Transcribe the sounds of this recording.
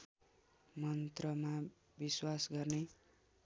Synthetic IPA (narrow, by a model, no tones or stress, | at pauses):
mʌnt̪rʌma | biswasɡʌrne